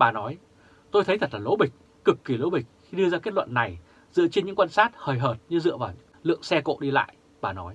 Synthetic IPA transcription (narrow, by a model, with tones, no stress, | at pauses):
ɓaː˨˩nɔ˨˦j | t̪o˧jt̪ʰjt̪ʰə˨˩t̚laː˨˩lo̰˧˥ɓï˨˩k̟̚ | kɨ˨˩kːi˨˧˩lo̰˧˥ɓï˨˩k̟̚xi˧ɗɨ˧əzaː˧ke˦˥t̚lwə̰˧˨nːa˨˩j | zɨ̰˧˨t͡ɕi˧nɲɨ̰˧˥ŋkwaː˧nsaː˦˥t̚həː˨˩jɦəː˨˩t̚ɲɨ˧zɨ̰˧˨əvaː˨˩wɲ˥lɨ̰˧˨əŋsɛ˧ko̰˧˨ɗi˧la̰ː˧˨j | ɓaː˨˩nɔ˨˦j